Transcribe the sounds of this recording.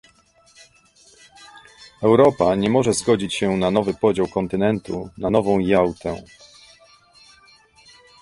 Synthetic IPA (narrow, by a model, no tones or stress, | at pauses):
ɛwɾɔpaɲɛmɔʐɛzɡɔd͡ʑit͡ɕɕɛnanɔvɘpɔd͡ʑawkɔnt̪ɘnɛnt̪unanɔvɔ̃w̃jawt̪ɛ